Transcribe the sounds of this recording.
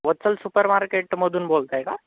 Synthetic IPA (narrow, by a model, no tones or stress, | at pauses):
ʋɐtːsəlsupəɾmaːɾkeːʈmod̪ʱunboːlt̪aɦɛɡa